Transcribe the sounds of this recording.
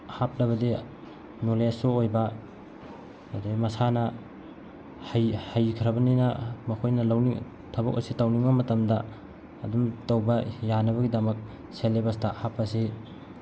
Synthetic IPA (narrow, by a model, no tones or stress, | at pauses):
hap̚lɐβɐdi | nolesoojbɐ | demɐsanɐ | hajhajkʰɾɐbɐninɐmɐkʰojnɐlawniŋ | tʰɐbɐ̰kɐ̰sitɐwniŋbɐmɐtɐmdɐː | dumtɐwbɐjanɐβɐɡidɐmɐk̚ | selːebɐstahapːɐsi